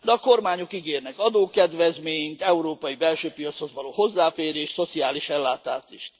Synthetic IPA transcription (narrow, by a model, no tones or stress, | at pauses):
d̪ɛɒko̞rmaːɲo̞kiɡeːrnɛkɒd̪oːkɛd̪ʋɛzmeːɲint̪ɛuɾoːpɒjibɛlʃøːpijɒt̪sho̞zʋɒloːho̞zːaːfeːɾeːʃso̞t̪siaːliʃɛlːaːt̪aːt̪iʃt̪